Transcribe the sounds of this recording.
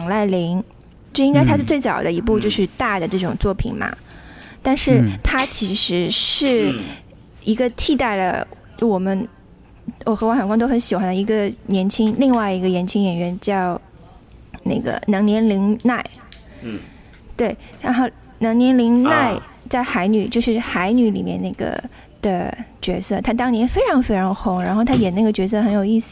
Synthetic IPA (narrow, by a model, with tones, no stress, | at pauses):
ŋla˥˩ɪli˧˥ŋ | jo˥˩˧i˥ŋka˥ɪt̪ʰa˥˧t͡swe˥˩ɪt͡sɑ̰˨˩ʊd̪ə˦i˧˥p̬u˥˧t͡ɕjo˥˧ʊʂɻ̩˥˧t̪a˥˩d̪ə˩ʈ͡ʂɤ˥˩ʈ͡ʂʊ˨˩ŋt͡swɔ˥˩pʰḭ˨˩nmɐ̰˩ | t̪a˥˧nʂɻ̩˥˩t̪ʰa˥t͡ɕʰi˧˥ʂɻ̩˧˥ʂɻ̩˥˩ | i˧˥ɡə˧t̪ʰi˥˧t̪a˥˩ɪlə̰˩ | t͡ɕo˥˩wɔ˨˩mə˦n | wɔ˨˩xɤ˧˥wjɑ˨˩ŋkwŋt̪o˥ʊxə˧˥nɕi˨˩xwa˧˥nd̪ə˧i˧˥ɡə˧njɛ˧˥nt͡ɕʰi˥ŋli˥˧ŋwa˥˩ɪi˧˥ɡə˧jɛ˧˥nt͡ɕʰi˥ŋjɛ˨˩nɥɛ˧˥nt͡ɕjɑ˥˧ʊ | na˥˩ɪɡə̰˩nɤ˧˥ŋnjɛ˧˥nli˧˥ŋna˥˩ɪ | t̪we˥˩ɪɻa˧˥nxo˥˩ʊ | nɑ˧˥ŋnjɛ˧˥nli˧˥ŋna˥˧ɪ | t͡sa˥˩ɪxa˧˥ɪny˨˩t͡ɕjo˥˧ʊʂɻ̩˥˩xa˧˥ɪny˨˧˥lḭ˨˩mjɛ̰˥˧na˥˩ɡə̰˩ | d̪̥ə˨t͡ɕɥɛ˧˥sɤ˥˩t̪ʰa˥t̪̬ɑ˥ŋnjɛ˧˥nfe˥ɪʈ͡ʂʰɑ˧˥ŋfe˥ɪʈ͡ʂʰɑ˧˥ŋxʊ˧˥ŋɻa˧˥nxo˥˩ʊt̪ʰa˥jɛ˨˩na˥˩ɡə˩t͡ɕɥɛ˧˥s̬ɤ˥˩xə˧˥njo˨˩ʊi˥˩sɹ̩˨˩